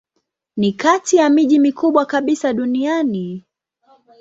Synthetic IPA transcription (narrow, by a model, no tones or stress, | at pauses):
nikatijamiʄimikʰuɓwakaɓisaɗuniani